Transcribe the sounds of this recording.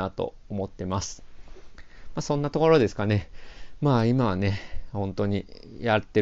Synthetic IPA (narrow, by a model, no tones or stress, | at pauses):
at̪o̞̰ | omo̞t̪ːe̞masɨ̥ | maːsõ̞nːat̪o̞ko̞ɾo̞d̪e̞sɨ̥kane̞maːimaβne̞hõ̞nt̪o̞ɲ̟i | jat̪ːe